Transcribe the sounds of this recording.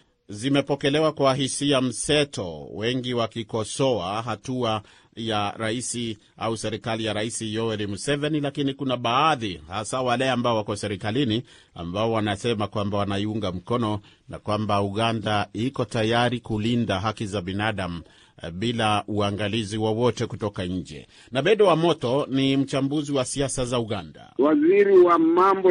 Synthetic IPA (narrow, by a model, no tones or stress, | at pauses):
zimɛpɔkɛlɛwakwaɦisiam̩sɛtɔ̰wɛŋɡiwakikɔsɔaɦatua | jaɾaisi | ʔausɛɾikalijaɾaisijɔɛɾimusɛvɛnilakinikunaɓaːðihasawalɛambaɔwakɔsɛɾikalini | a̰mbaɔwanasɛmakwambawanaiuŋɡam̩kɔnɔ | na̰kwambauɣandaikɔtajaɾikulindaɦakizaɓinaɗam̩ | ɓilauaŋɡaliziwɔwɔtɛkutɔkaɲ̩d͡ʒɛ̰ | naɓɛɗɛwamɔtɔnim̩t͡ʃambuziwasiasazauɠanda̰waziɾiwamambɔ